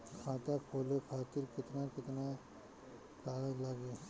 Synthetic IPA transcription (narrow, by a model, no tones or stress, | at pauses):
kʰãːt̪akʰoːlekʰaːt̪ɪɾkɪt̪nakɪt̪na | kaːɽalaɡe